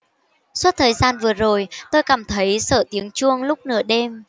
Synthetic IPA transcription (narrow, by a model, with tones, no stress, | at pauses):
swt̚t̪ʰəː˨˩jzaː˧nvɨ˨˩əzo˨˩jt̪o˧jkaː˨˩mt̪ʰə˨˦jsəː˧˩t̪i˨˦əŋt͡ɕu˧əŋlʊ˦˥k͡p̚nɨ̰˧˩əɗe˧m